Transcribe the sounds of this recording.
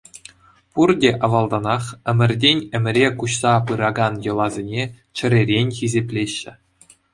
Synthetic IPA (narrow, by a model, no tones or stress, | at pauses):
purdʲeʔɑʋɑlˠd̪ɑnɑχɘ̆mʲɘ̆rʲdʲenʲɘ̆mʲɘ̆ɾʲekuɕsɑpɯɾɑɡɑnjɤ̆lˠɑzʲenʲe | t͡ɕɘ̆ɾʲerʲenʲxʲizʲepʲlʲeɕːɘ̆